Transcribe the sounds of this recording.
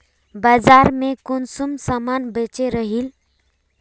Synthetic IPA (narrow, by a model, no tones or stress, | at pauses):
bad͡ʒaɾmekunsumsəmanbət͡ʃeɾəɦil